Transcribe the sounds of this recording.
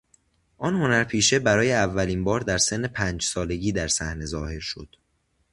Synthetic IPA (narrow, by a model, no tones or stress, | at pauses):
ʔɒːnho̞næɾpʰiːʃe̞bæɾɒːjeævːæliːnbɒːɾd̪æɾse̞nːe̞pʰæːnd͡ʒsɒːle̞ɟiːd̪æɾsæhne̞zɒːhe̞ɾʃo̞̰d̪̥